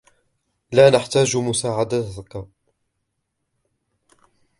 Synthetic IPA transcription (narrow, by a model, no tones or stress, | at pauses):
laːnaħt̪aːd͡ʒmʊsaːʕad̪aka